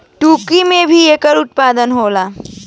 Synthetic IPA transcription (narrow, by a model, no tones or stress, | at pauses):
ʈuːkimẽbʱiekəɾʊt̪̚pad̪ənɦolaː